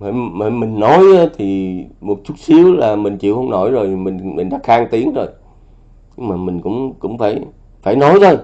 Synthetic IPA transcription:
ə˧˩jmə˧˩jmï˨˩ŋ̟nɔ˨˦ja˨˦t̪ʰi˨˩mo˨˩t̚t͡ɕu˦˥t̚si˨˦əwlaː˨˩mï˨˩ŋ̟t͡ɕḭ˧˨əhə˧wŋ͡mno˧˩jzo˨˩jmï˨˩ŋmi˨˩ŋ̟ɗa̰ː˧˥xaː˧ŋt̪i˨˦əŋzo˨˩j | ɲɨ˧ŋ͡mmaː˨˩mï˨˩ŋ̟kʊ̰˧˥ŋ͡mkʊ̰˧˥ŋ͡mfaː˧˩j | faː˧˩jnɔ˨˦jt̪ʰo˧˩j

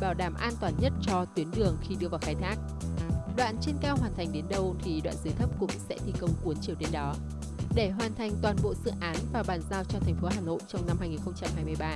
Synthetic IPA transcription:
ɓaː˧˩wɗaː˧˩mʔaː˧nt̪waː˨˩nɲə˦˥t̚t͡ɕɔ˧t̪wi˨˦ənɗɨ˨˩əŋxi˧ɗɨ˧əvaː˨˩wxaː˨˦jt̪ʰaː˦˥k̚ | ɗwa̰ː˧˨nt͡ɕi˧nkaː˧wɦwaː˨˩nt̪ʰa˨˩ŋ̟ɗe˨˦nɗə˧wt̪ʰi˨˩ɗwa̰ː˧˨nzɨː˨˦jt̪ʰə˦˥p̚kʊ̰˧˥ŋ͡msɛ̰˧˥t̪ʰi˨˩kə˧wŋ͡mkwu˨˦ənt͡ɕi˨˩əwɗe˨˧˦nɗɔ˨˦ | ɗe˧˩ɦwaː˨˩nt̪ʰa˨˩jŋ̟t̪waː˨˩nɓo̰˧˨zɨ̰˧˨ʔaː˨˦nvaː˨˩ɓaː˨˩nzaː˧wt͡ɕɔ˧t̪ʰɛ˨˩ŋ̟fo˨˦ɦaː˨˩no̰˧˨jt͡ɕɔ˧wŋ͡mna˧mhaː˧jŋi˨˩nxə˧wŋ͡mt͡ɕa˧mhɦaː˧jmɨ˧əjɓaː˧

